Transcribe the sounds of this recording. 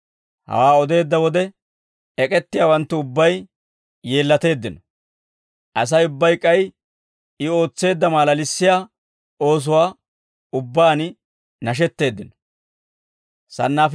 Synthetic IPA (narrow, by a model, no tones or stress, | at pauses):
hɐ̰waːɔd̪e̞ːd̪ːɐwɔd̪ɛ | ɛkʼɛt̪ːɪjaːwɐnt̪ːʊʊbːɐjː | e̞ːlːɐt̪e̞ːd̪ːɪnɔ | ʔɐs̬ɐjʊbːɐjkʼɐj | ɪo̞ːt͡sːe̞ːd̪ːɐmaːlɐlɪsːɪjaː | o̞ːs̬ʊwaː | ʊbːaːn | nɐʃ̬ɛt̪ːe̞ːd̪ːɪnɔ | sɐ̰nːaːf